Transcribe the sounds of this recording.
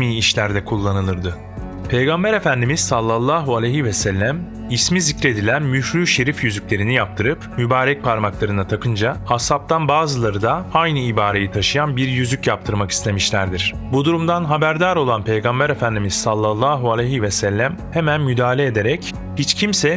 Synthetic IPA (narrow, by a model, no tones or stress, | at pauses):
miːiʃlʲæɾd̪ɛkʰulˠːanɯlˠɯɾd̪ɯ | pʰe̞jɡambæɾe̞fænd̪imizsalˠːalˠːaːɦualʲɛjɦivɛsɛlʲːæm | ismizicɾe̞d̪ilʲænmyfɾyːʃe̞ɾifjyzycʲlʲe̞ɾinijap̚t̪ʰɯɾɯpmybaːɾɛc̚pʰaɾmaklˠaɾɯnat̪ʰakʰɯnd͡ʒaasap̚t̪ʰanbaːzɯlˠaɾɯd̪aajnɯibaːɾejit̪ʰaʃɯjanbiɾjyzycjap̚t̪ʰɯɾmaki̥st̪ʰe̞miʃlʲæɾd̪iɾ̝̥bud̪uɾumd̪anɦabæɾd̪aːɾo̞lˠanpʰe̞jɡambæɾe̞fænd̪imizsalˠːalˠːaːɦualʲɛjɦivɛsɛlʲːæm | he̞mænmyd̪aːlʲeːd̪e̞ɾɛc | hit͡ʃcʰimsɛ